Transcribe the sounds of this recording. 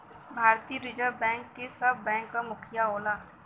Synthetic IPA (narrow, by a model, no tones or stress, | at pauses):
bʱaːɾt̪iːɾid͡ʒəɾbɛ̃ːŋkːesɐbʱːɛ̃ːŋkːamʊkʰɪjaoːlaː